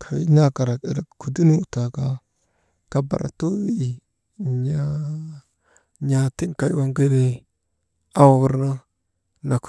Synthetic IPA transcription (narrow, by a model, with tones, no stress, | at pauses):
kʰa˨wi˦na˦ka˨ɾa˨ḭ˨ɾa˨ku˨di˦nu˦u˨ta˨ka˦ | ka˦ba̰˨ɾʔa̰˨tu˦wi˦˨ | ɲa˦ | ɲa˨ti˦ŋka˨i˦wa˦˨ŋɡə˦ɾi˦ | a˦wa˨wu˦ɾna˦ | na˨k